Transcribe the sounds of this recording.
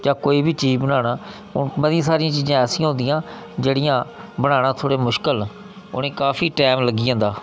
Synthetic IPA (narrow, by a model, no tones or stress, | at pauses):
d͡ʒãːkoːiːbʱiːt͡ʃiːd͡ʒbənaːnaː | ʊ̰nməd̪ɪijãːsaːɾijãːt͡ʃiːzãːɛːsɪ̃ːãːɦõnd̪ɪjãː | d͡ʒeːɽɪjãːbəɽ̃aːɽ̃ãːt̪ʰoːɽeːmʊʃkəl | ʊ̰nẽːkaːfʰiːʈɛːmləɡiːãːnd̪aː